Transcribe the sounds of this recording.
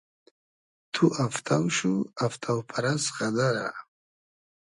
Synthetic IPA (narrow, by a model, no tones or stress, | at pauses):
t̪ʰuʔaft̪ʰawʃuaft̪ʰawpʰaɾasχad̪aɾa̰